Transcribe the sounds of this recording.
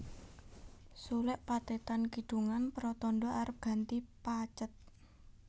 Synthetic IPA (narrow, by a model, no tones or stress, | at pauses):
sulɛʔpat̪et̪ankiɖ̥ṳŋanpəɾɔt̪ɔnɖɔʔaɾəp̚ɡ̥a̤nt̪ipat͡ʃət̪̚